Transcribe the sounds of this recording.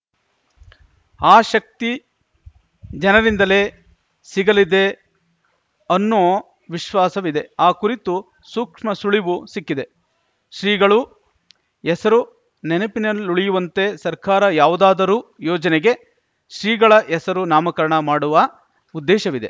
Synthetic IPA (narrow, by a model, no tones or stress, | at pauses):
aːʃɐk̚t̪i | d͡ʒɐnɐɾind̪ɐle̞ː | siɡɐlid̪e̞ | ɐnːoː | ʋiʃʋaːsɐʋid̪e̞aːkuɾit̪u | suːkʂmɐsuɭiʋusikːid̪e̞ | ʃɾiːɡɐɭu | ɛsɐɾu | nɛnepinɐlːuɭijuʋɐnt̪e̞sɐɾkaːɾɐjaːʋud̪aːd̪ɐɾuːjɔːd͡ʒɐnɛɡe̞ | ʃɾiːɡɐɭɐʔɛsɐɾunaːmɐkɐɾɐɳɐmaːɽuʋɐ | ud̪ːɛːʃɐʋid̪e̞̰